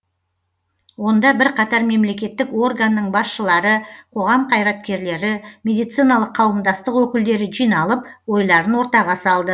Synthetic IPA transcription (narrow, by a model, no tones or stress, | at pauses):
wo̞nd̪ɑbɪɾqʰɑt̪ɑɾme̞mle̞kʲe̞t̪ːɪko̞rɡanːəɴbɑsʃəlˠɑɾəqʰo̞ʁɑmqʰɑjɾɑt̪̚kʲe̞ɾle̞ɾɪme̞d̪ijt̪sijnɑlˠəqʰːɑwəmd̪ɑst̪əqwɵkʲɪld̪e̞ɾɪʒijnɑlˠəp̚wo̞jlˠɑɾənwo̞ɾt̪ɑʁɑsɑlˠd̪ə